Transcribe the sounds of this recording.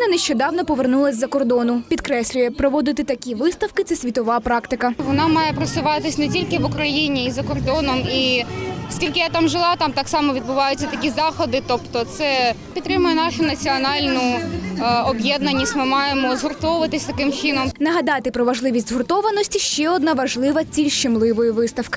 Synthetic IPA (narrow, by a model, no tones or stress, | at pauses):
nɐneʃt͡ʃɔd̪ɑwnɔpɔʋernulˠɐzʲzɐkɔrd̪ɔnʊpʲid̪kɾɛsʲlʲʊjɛpɾɔʋɔd̪ɪt̪ɪt̪ɐkʲiʋɪst̪ɐwkɪt̪sɛsʲʋʲit̪ɔʋɑpɾɑkt̪ɪkɐʋɔnɑmɑjɛpɾɐsʊʋɑt̪ɪsʲnetʲilʲkɪʋʊkɾɐjinʲiːzɐkɔrd̪ɔnɔmiskʲilʲkɪjat̪ɑmʒɪlˠɑt̪ɑmt̪ɑksɑmɔʋʲid̪̚bʊʋɑjʊtʲt͡sʲːɐt̪ɐkʲizɑxɔd̪ɪt̪ɔpt̪ɔt̪sɛ | pʲit̪ːɾɪmʊjɛnɑʂʊnɐt͡sʲiɔnɑlʲnʊ | ɔbjɛd̪nɐnʲːisʲtʲmɪmɑjemɔzɦɔrt̪ɔʊʋɐt̪ɪsʲt̪ɐkɪmt͡ʃinɔmnɐɦɐd̪ɑt̪ɪpɾɔʋɐʒlˠɪʋʲisʲtʲzɦɔrt̪ɔʋɐnɔsʲtʲiʃt͡ʃɛɔd̪naʋɐʒlˠɪʋɐt͡sʲilʲʃɪmlˠɪiʋɔjiʋɪst̪ɐwkɪ̥